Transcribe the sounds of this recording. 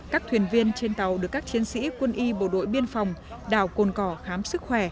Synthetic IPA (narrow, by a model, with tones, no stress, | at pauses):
kaː˦˥k̚t̪ʰwi˨˩ənvi˧ənt͡ɕe˧nt̪ə˨˩wɗɨ˨˩əkːaː˦˥k̚t͡ɕi˨˦ənsḭ˧˥kwə˧nʔi˧ɓo̰˧˩ɗo̰˧˨jɓi˧ənfa˨˩wŋ͡m | ɗaː˧˩wko˨˩nkɔ˧˩xaː˨˦msɨ˦˥k̚xwɛ˧˩